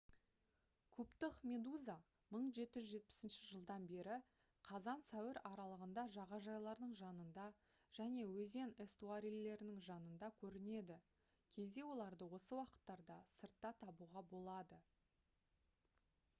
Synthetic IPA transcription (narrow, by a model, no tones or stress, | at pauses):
kʲʰɵpt̪ɪqmʲe̞d̪uza | məɴʒe̞t̪ɪʒʒe̞t̪̚pɪ̥sɪnʃɪʒəlˠd̪ɑnbe̞ɾɪ | qʰɑzɑnsæwɪɾɑɾɑlˠəʁənd̪ɑʒɑʁɑʒɑjlˠɑɾd̪əɴʒɑnənd̪ɑ | ʒ̥æne̞wɵze̞nest̪uaɾilːe̞ɾɪnɪŋʒɑnənd̪ɑkʲʰɵɾɪne̞d̪ɪ | kʲʰe̞zd̪e̞wo̞lˠɑɾd̪əwo̞səwɑqə̥t̪ːɑɾd̪ɑsəɾt̪ːɑt̪ʰɑbuʁɑbo̞lˠɑd̪ə